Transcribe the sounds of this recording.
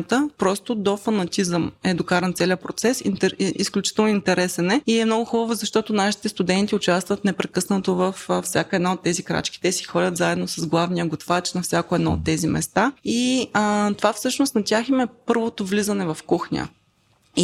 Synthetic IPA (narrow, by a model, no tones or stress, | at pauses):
t̪əpɾɔst̪ʊd̪ofɐnɐt̪izəmɛd̪okaɾɛnt̪sɛlʲiəpɾot̪sɛsinɛḭsklʲut͡ʃi̥t̪əlˠnʊint̪ɛɾɛsɛnɛiɛmnɔɡʊxubəvozɐʃt̪ɔt̪ʊnaʃi̥t̪ɛst̪ʊd̪ɛnt̪iʊt͡ʃast̪vət̪nɛpɾɛkɤsnət̪ovəffsʲjakəɛd̪naot̪ːɛzikɾa̰t͡ʃk̟i̥t̪ɛsi̥xɔlʲət̪zaɛd̪nosɐzɡlˠavnijəɡot̪fat͡ʃnɐfsʲakʊɛd̪nɔo̰t̪ːɛzimɛ̰st̪ai | t̪ovafsɤʃnost̪nɐt̪ʲaximɛpɤɾvot̪ovlizənɛvɐfkuxnʲə̰